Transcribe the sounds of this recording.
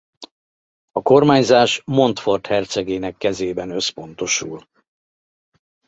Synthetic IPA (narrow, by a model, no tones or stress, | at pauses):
ɒko̞rmaːɲzaːʃmo̞nt̪fo̞rt̪hɛrt̪sɛɡeːnɛkːɛzeːbɛnø̞spo̞n̪t̪o̞ʃṵl